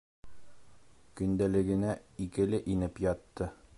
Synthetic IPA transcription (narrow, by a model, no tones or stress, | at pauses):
kɵ̆nd̪ælɘ̆ɡɘ̆næikɘ̆lɘʔinɘpjɑt̪ːɤ